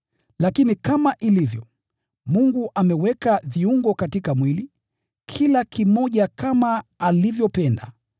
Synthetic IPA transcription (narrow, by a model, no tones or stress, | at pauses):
lakinikamaʔilivjɔ | muŋɡuʔamɛwɛkaviuŋɡɔkatikamwili | kʰilakʰimɔʄakamaːlivjɔpɛnda̰